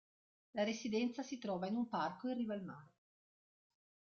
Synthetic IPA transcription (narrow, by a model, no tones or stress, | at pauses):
laɾesid̪ɛnt̪sasit̪ɾɔːvainumparkoirːiːvalmaɾe